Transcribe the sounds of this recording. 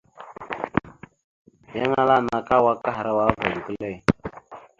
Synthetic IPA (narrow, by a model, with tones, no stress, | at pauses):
ja˦ŋa˦la˦˨na˨ka˦wa˦ka˦ɦa˨ɾa˦wa˦va˨də˨kə˦le˦˨